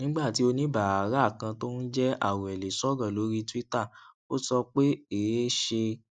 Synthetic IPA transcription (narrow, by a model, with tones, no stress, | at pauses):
nĩ˦ɡ͡ba˦˨ti˨˦o˧nĩ˦ba˨a˨ɾa˦˨kã˧to˦nũ˦d͡ʒɛ˦ʔa̰˦˨wɔ˨ɛ˨le˨sɔ˦ɡã˦˨lo˨˦ɾi˦ti˦ta˦˨ | o˦sɔ˧k͡pe˦eː˨˦ʃe˧